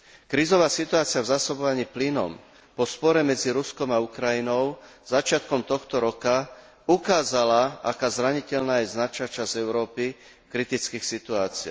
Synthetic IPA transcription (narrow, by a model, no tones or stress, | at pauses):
kɾizɔʋaːsit̪uaːt͡siɪavzaːsɔbɔʋaɲiːplinɔ̰m | pɔspɔɾɛmɛd͡ziɾuskɔmaukɾajinɔʊz̥at͡ʃɪat̪̚kɔmt̪ɔxt̪ɔɾɔka | ukaːzalaʔa̰kaːzɾaɲicɛʎnaːjɛznat͡ʃat͡ʃazɛʊɾɔːpi | kɾit̪it͡skiːxsit̪uaːt͡sia̰